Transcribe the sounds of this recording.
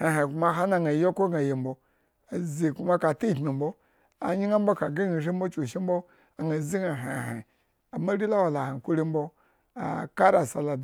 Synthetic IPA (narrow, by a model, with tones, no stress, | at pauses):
ha˨ɦa˨ku˦ma˦ɦa˦na˦˨ŋa˨jo˦ko˦ɡa˨je˨m̩bo˨˦ | a˨zi˨ku˦ma˦ka˨ti˦˨kmi˨mbo˦ | a̰˨ɲi˦ŋa˦m˦bo˦ka˨ɡa˦i˨ʃi˦m̩˦bo˦t͡ʃu˨ʃi˦m̩˦bo˦ | a˨ŋa˨zi˦ŋa˨ɦa˨ɦa̰˨ | a˨ma˦ɾi˦la˦wa˨la˨ha˨kʷu˦ɾi˦m˦bo˦ | a̰˨ka˦ɾa˨sa˨la˨